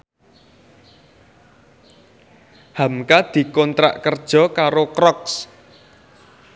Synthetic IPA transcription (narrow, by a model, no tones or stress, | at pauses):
hamkad̪̥i̤kɔnt̪ɾa̰ʔkərd̥ʒ̥ɔ̤kaɾokɾɔks